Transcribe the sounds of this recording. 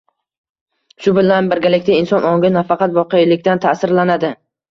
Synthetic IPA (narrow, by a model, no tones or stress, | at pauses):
ʃʊbɪlanbɪɾɡʲalɪkʲt̪aɪnsɒnɒŋɡʲɪnafɑqʰɑt̪vɒqɨjlɪkʲt̪ant̪ʰasɪɾlanad̪ɪ